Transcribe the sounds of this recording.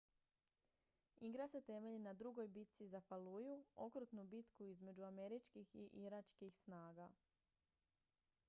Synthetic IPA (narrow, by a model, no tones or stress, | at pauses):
iɡɾase̞t̪e̞me̞ʎinad̪ɾuɡo̞jbit̪t̪sizafalujuo̞kɾut̪nubit̪kuizme̞d͡ʒuame̞ɾit͡ʃkixiʔiɾat͡ʃkixsnaːɡa